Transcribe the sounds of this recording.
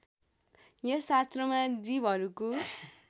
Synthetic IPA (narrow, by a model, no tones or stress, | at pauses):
jʌsast̪rʌmad͡zibʱɦʌɾuko